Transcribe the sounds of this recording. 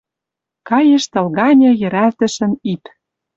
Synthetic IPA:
kɑjĕʃt̪ɤ̆lɣɑnʲɤ̆jɘ̆ɾælt̪ə̆ʃə̆nip

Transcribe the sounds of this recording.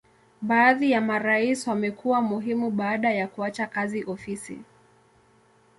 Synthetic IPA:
ɓaːðijamaɾaiswamɛkuwamuɦimuɓaːɗajakuat͡ʃakaziʔɔfisḭ

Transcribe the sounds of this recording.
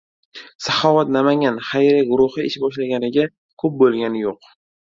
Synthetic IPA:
sahɒvat̪namaŋʲanχajɾaɡʊɾʊhɨɪʃbɒʃlaɡʲanɪɡʲa | kʰɵp̚bolˠɡʲanɪjoq

